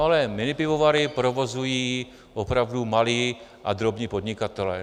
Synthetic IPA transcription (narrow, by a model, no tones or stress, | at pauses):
alɛmɪnɪpɪvovaɾɪpɾovozujiː | ʔopɾavdumaliːʔa̰d̪ɾobɲiːpod̪ɲɪkat̪ɛlɛ̰ː